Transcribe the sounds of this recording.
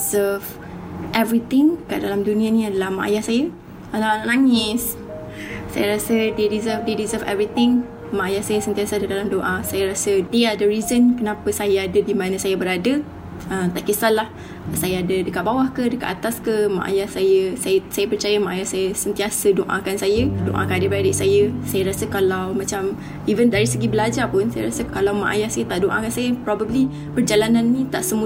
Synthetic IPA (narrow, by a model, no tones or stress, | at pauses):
zəv | ʔɛvɾit̪ɪ̃ŋkaʔdalamdunĩanĩadalahma̰ʔa̰jahsajə | anaʔnaʔnãŋɪs | sa̰jaɾasədədizəfdədizəfɛ̰vɾit̪ɪŋ | maajahsajəsənt̪iasəadədalamdoʔasajaɾasədiadəɾizənkənapəsajaadədimãnə̃sajabəɾadə | əmt̪aʔkəsalːah | sajaadədəkaʔ̚bawahkədəka̰tʔ̪at̪askəmã̰ʔa̰jahsajəsajəsajəpərt͡ʃajamaʔajahsajəsənt̪iasədoʔã̰kansajədoʔa̰kanadəbəɾadəʔsajəsajəɾasəkalawmat͡ʃam | ivəndaɾisəɡibəlad͡ʒapʊnsajaɾasəkalawma̰ʔa̰jahsajət̪aʔdoʔa̰kansajəpɾɔbəbli | bərd͡ʒalananːĩt̪aʔsəmu